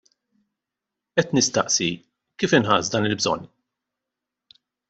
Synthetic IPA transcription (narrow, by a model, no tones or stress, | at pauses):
ʔɛt̪nɪst̪ɐʔsi | kiːfɪnħɐːzd̪ɐːnɪlbzɔ̰n